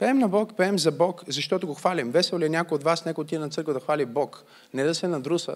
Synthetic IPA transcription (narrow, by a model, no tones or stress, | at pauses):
pɛɛmnɐbɔkpɛɛmzɐbɔkzɐʃt̪ɔt̪ʊɡoxvalʲimvɛsɛlˠliɛnʲakojotd̪vasnʲɛkot̪iɛnɐt̪sɤɾkvəd̪ɐxvalʲibɔk | nɛd̪ɐsɛnɐd̪ɾusə̰